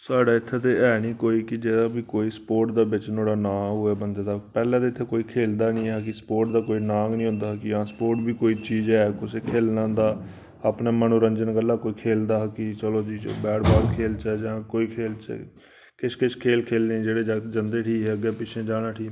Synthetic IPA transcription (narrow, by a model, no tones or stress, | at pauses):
saːɖaːɪt̪ʰːeːt̪eʔɛːniːkoːiːkɪd͡ʒeːd̪aːbiːkoːiːspoːɾʈd̪aːbɪt͡ʃnõːɽaːnaːɦʊɛːbənd̪aːd̪aːpɛːlɛ̃ːt̪eɪt̪ʰːeːkoːiːkʰeːld̪aːnĩːaːkɪspoːɾʈd̪aːkoːiːnãːŋɡnĩːɦʊ̃nd̪aːkɪjãːspoːʈbiːkoːiːt͡ʃiːd͡ʒɛːkʊsekʰeːlnãːd̪aː | apnaːmənũːɾənd͡ʒənɡəlːaːkoːiːkʰeːld̪aːkɪt͡ʃəloːd͡ʒiːbɛːʈʰbaːd̪kʰeːlt͡ʃɛːd͡ʒãːkoːiːkʰeːlt͡ʃɛ̰ | kɪʃʰkɪt͡ʃʰkʰeːlkʰeːlnẽːd͡ʒeːɽeːd͡ʒd͡ʒənd̪eːʈʰiːɦɛːəɡɛːpɪt͡ʃʰẽːd͡ʒaːɽaːʈʰiː